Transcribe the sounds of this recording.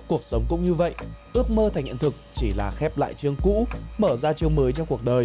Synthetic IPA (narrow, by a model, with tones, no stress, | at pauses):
ku˨˩ək̚sə˨˦wŋ͡mkʊ̰˧˥ŋ͡mɲɨ˧və̰˧˨jʔʔɨ˦˥ək̚məː˧t̪ʰa˨˩ŋʔḭ˧˨nt̪ʰɨ˨˩k̚t͡ɕi˧˩laː˨˩xɛ˦˥p̚la̰ː˧˨jt͡ɕɨ˧əŋkṵ˧˥məː˧˩zaː˧t͡ɕɨ˧əŋməː˨˦jt͡ɕɔ˧wŋ͡mku˨˩ək̚ɗəː˨˩j